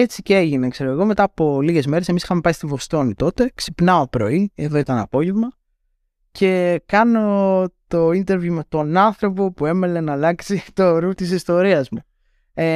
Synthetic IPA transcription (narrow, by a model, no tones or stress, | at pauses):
et͡siceeʝine̞kse̞ɾoɣeɣo̞me̞t̪ɐːpo̞liʝe̞zme̞ɾesemisixɐme̞pɐjst̪ivo̞st̪o̞nit̪o̞t̪e̞ksipnɐo̞pɾo̞ie̞ðo̞it̪ɐnɐ̰po̞ʝe̞vmɐ | cʰe̞kɐno̞t̪o̞int̪e̞ɾvjumet̪o̞nɐnθɾo̞po̞pue̞me̞le̞nɐːlɐksit̪o̞ɾut̪isist̪o̞ɾiɐzmu | e